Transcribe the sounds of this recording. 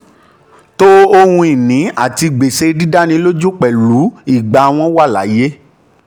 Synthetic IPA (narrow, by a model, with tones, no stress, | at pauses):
to˦o˧hũ˧i˨nĩ˨˦a˦˨ti˧ɡ͡be˨ʃe˧di˦da˦nĩ˧lo˦d͡ʒu˦k͡pɛ˨lu˨˦i˦˨ɡ͡ba˨˧w̃ɔ̃˧˦wa˦˨la̰˨˦je˦